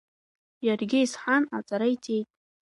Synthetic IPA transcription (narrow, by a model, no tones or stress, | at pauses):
jarɡʲɪisħanat͡sʼaɾaitʼejtʼ